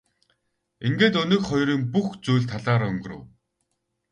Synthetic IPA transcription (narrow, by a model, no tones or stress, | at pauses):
iŋɡeːt̪ɵnɵ̆kχɔjɾiːŋpuxt͡sujːɮt̪ʰaɮaːɾɵŋɡ̆rɵ̰̆w